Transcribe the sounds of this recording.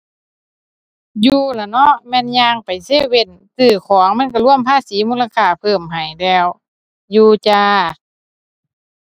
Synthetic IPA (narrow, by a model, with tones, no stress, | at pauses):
juː˧la˨˩nɔ˧˥mɛː˧˥˨nɲaː˧ŋpa˨jse˧˥˨we˧˩n | sɯː˧˩kʰɔː˨˦ŋma˧˥˨nka˧˩lu˧˥˨əmpʰaː˧˥˨siː˨˦muː˧˥˨la˧kʰaː˧˩pʰɤː˧˩mɦa˨˩jlɛː˧˩w | juː˧t͡ɕaː˧